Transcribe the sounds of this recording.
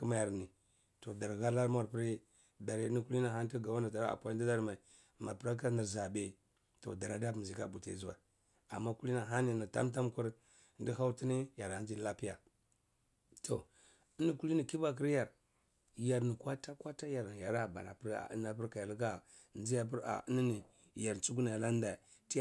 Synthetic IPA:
ki˦ma˨ja˨ɾni˨ | to˨da˨ɾɣa˦la˦ɾm˦a˦˨ɾpi˦ɾi˦ | da˨ɾi˨˦ni˦ku˦li˦na˨ɦa˦n˦ti˦ɡa˨wa˦na˨ta˨ɾa̰˨pʷa˦di˦da˦ɾma˨i˨ | ma̰˨pɾa˦ka˦ni˨ɾza˨be˦˨ | to̰˨da˨ɾa˨da˦pm˨zi˨ka˦bu˨tḛ˨zu˦wa̰˨ | a̰˨mːa˦ku˦li˦na˨ɦa˦ni˨ni˨ta̰˦mt̬a˦m˦ku˦ɾ | ndi˦ha˦u˦ti˦ni˦ja˨ɾa˨n˦d͡ʒi˦la˦pi˦ja̰˨ | tʰo˨ | i˦ni˦ku˦li˦ni˨ki˦ba˦k̬i˦ɾja˨ɾ | ja˨ɾni˨kwa˦ta˦kwa˦ta˦ja˨ɾn˨ja˨ɾa˦ba̰˨na̰˨pɾa̰˨˦na˨pi˦ɾka˨ja˨lka˦˨ | n˦i˦ja˨p̬i˦ɾa̰˨˦ni˦ni˨ | ja˨ɾt͡su˦k̬u˦na˨ja˨la˦n˦da˨ | ti˦˨

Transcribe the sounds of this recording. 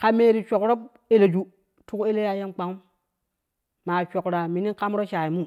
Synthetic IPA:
ka˨me˦ɾi˨t͡ʃʷo˨kɾo˦p̚ | e˦˨le˨d͡ʒu˦ | tu˦ke˦le˦ja˦je˦mk͡pa˨˦ŋu˦ | ma˨t͡ʃo˨kɾa˨mi˨ni˦nka˦m˦ɾo˦ʃa˨ji˨mu˦

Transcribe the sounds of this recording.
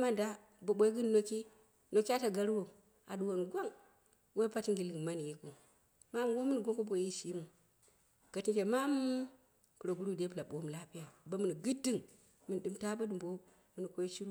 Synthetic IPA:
ma˦nda˦ | bo˨ɓo˦i˦ɡɨ˦n˦no˨ki˦ | no˨ki˦a˦ta˨ɡa˨ɾu˦o˨ | a̰˨du˨wo˨nu˨ɡʷo˦ŋ | wo˦pa˦ti˦ŋɡi˨lɨ˨ŋ˨ma˦n˨ji˦ku˨ | ma˦m˨wo˦mɨ˦n˨ɡʷo˦ŋko˦bo˨˦i˦ʃi˦mu˨ | ɡ̥a˨ti˦nt͡ʃe˨ma˦m˦ | ku˨ɾo˨ɡu˨ɾu˦˨de˦pla˨ɓo˦m˨la˦pi˦ja˨ba˦mu˨n˨ɡɨ˦di˦ŋ | mɨ˨n˨ɗɨ˨mta˦ba˦dɨ˨mbo˦ | mɨ˦ni˨kʷo˦i˦ʃi˦ɾu˦

